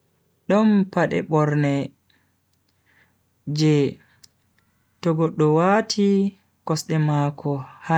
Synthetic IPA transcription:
ɗɔmpaɗɛ̰ɓɔɾnɛ | d͡ʒɛ | tɔɡɔɗːɔwatʰi | kɔsɗɛmakʰɔha

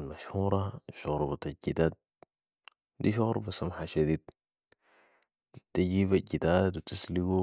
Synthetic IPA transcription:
lmaʃhuːɾˤɑʃuɣɾbat̪aɟid̪aːd̪̚ | d̪iʃuɣɾbasamħaʃad̪iːd̪̚ | t̪aɟiːβaɟid̪aːt̪wit̪isliɡu

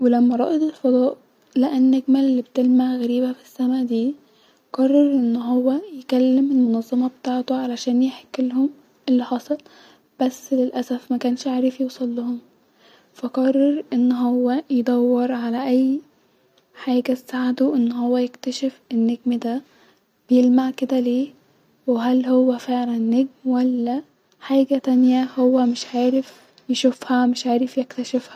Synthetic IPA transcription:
welæmːæɾˤɑ̰ʔed̪ˤelfɑd̪ˤɑːʔ | læʔenːeɡmælːiːbt̪elmaʕɣæɾiːbæfi̥sːæmæʔd̪iː | qɑrˤːɑɾˤʔenːɦowːæjkælːemelmonɑzˤːɑmɑbet̪aːʕt̪oʕalæʃæːnjeħkːelhom | ʔelːiħɑsˤɑl | b̥æsːlelʔæsæfmækæːnʃʕaːɾefjusˤɑlːohom | fæqɑrˤːɑɾˤʔenːɦowːæjed̪ˤɑwːɑɾʕalæʔæjː | ħaːɡæsaʕd̪oʔɪnːhowːæjekt̪æʃefenːeɡ̚md̪æ | b̥ejelmaʕked̪æleː | weɦælhowːæfeʕlænːeɡmwælːæ | ħaːɡæt̪ænjæhowːæmɪʃʕaːɾef | jeʃufhæmɪʃʕaːɾɪfjekt̪æʃefhæ

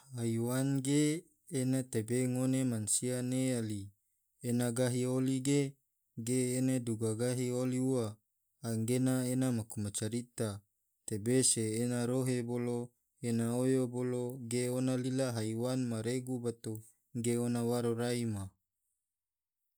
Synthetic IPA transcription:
haiwanɡeː | nat̪ebeŋonemansianeali | enaɡaɦioliɡe | ɡeːneduɡaɡaɦioliuaː | ŋɡenaenamakumat͡ʃaɾit̪a | t̪ebeseːnaɾoɦebolo | enaojoboloɡeonalilaɦaiwanmaɾeɡubat̪o | ɡeonawaɾoɾaima

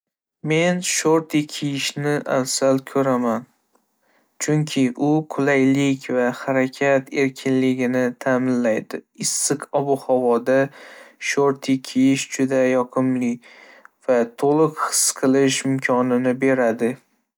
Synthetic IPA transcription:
me̞nʃoɾt̪ʰikʲʰijɪʃnɪʔa̰lsalkʰɵɾaman | t͡ʃʰʊŋkʲʰɪʔʊqʰʊlajlɪkʲvahaɾakʲʰat̪ʰe̞ɾkʲʰɪnlɪɡʲɪnɪt̪ʰamɪnlajd̪ɪɪsːɨqɒbʊhɒvɒd̪aʃoɾt̪ʰikʲʰijɪʃd͡ʒʊd̪ajɒqʰɨmlɪ | vat̪ʰolˠɨqhɨ̥sqʰɨlˠɪʃɪmkʲʰɒnɪnɪbe̞ɾad̪ɪ

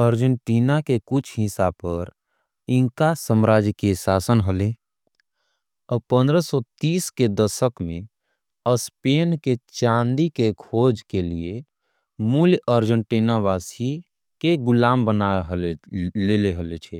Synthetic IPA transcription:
əɾd͡ʒəɳʈinakekut͡ʃʰɦĩsapəɾ | iŋkasəmɾad͡ʒkesasənɦəle | ɔpə̃nd̪ɾəsɔt̪iːsked̪əsəkmẽ | əspenket͡ʃãnd̪ikekʰod͡ʒkelie | muljəɾd͡ʒəɳʈinaʋasi | keɡulaːmbənaɦlleleɦəlet͡ʃʰɛ

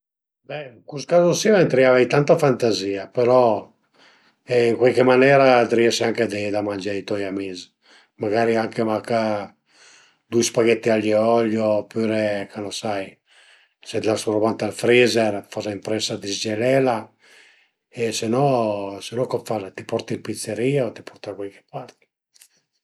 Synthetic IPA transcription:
bɛiŋkuskazosioent̪ɾiavajt̪ant̪afant̪aziːapeɾɔ | ɛiŋkwalkemanɛːɾad̪ɾiɛʃiaŋked̪id̪amand͡ʒait̪ɔjamiːzi | maɡaːɾiaŋkemaka | d̪ujspaɡɛt̪ːiaʎːiɔʎːopyɾekʰanosaj | sed̪lasuɾobant̪ealfɾizɛɾfazaimpɾɛsad̪izd͡ʒelɛla | esenɔsenɔkopfazat̪ipɔɾt̪ilpit̪seɾiːaot̪i̥pɔɾt̪akwalke̥paɾt̪i̥

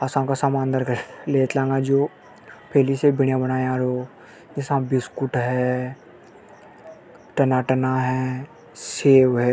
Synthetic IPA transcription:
asãkasaːmãːnd̪əɾkleːt̪lãːŋɡad͡ʒoː | pʰeːlisebɪɳjabənaːeaːɾoː | d͡ʒɪsãbɪskʊʈɦɛː | ʈɐnaʈənaɦɛ | seːwɦɛ

